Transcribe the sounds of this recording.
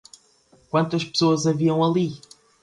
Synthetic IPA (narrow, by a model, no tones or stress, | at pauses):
kwɐ̃nt̪ɐʃpɨ̥soɐzɐviɐ̃w̃ɐlˠi